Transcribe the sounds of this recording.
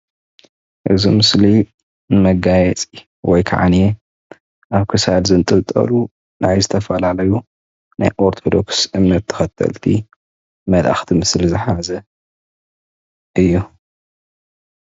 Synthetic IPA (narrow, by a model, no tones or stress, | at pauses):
ʔɨ̰zimɨsli | nɨmɐɡajɛt͡sʼi | wɔjkʰa̰ʕa̰ne | ʔaβkʰɨsalzɨnt̪ʼɨlt̪ʼɐ̰lu | najzɨt̪ʰɐfɐlalɐju | na̰jʔoɾt̪ʰod̪o̞̰ksʔɨmːɐt̪ʰːɨ̥xɐt̪ʰːɐ̰lt̪ʰḭ | mɐlʔa̰xt̪ʰimɨslizɨħazɐ | ʔɨjːu